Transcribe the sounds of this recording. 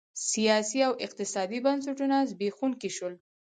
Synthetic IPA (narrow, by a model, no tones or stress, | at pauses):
sijɑsiawɪq̚t̪ɪsɑd̪ibans̬aʈunazbexunkiʃəl